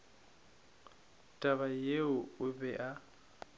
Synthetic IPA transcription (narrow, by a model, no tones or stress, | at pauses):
tʼaβajeʊʊbɛʔa